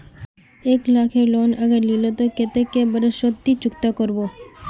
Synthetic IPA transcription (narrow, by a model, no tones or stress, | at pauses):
eːklaːkʰeloːnɐɡəɾlilot̪oket̪ekebəɾəʃot̪ːit͡ʃʊkt̪akəɾboː